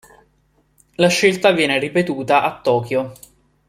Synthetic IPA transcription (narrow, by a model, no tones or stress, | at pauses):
laʃːelt̪avjɛːneripet̪uːt̪aʔat̪ːɔːkjo